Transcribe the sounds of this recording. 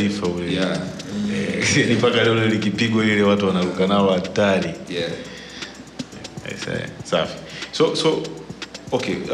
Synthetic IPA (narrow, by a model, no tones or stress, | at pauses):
ifaulɛa | nipakalɛɔlɔlikipiɠwaiɾɛwatuwanaɾukanaɔatali | a̰ḭsa̰ɛ̰safi̥sɔsɔ | ɔkɛ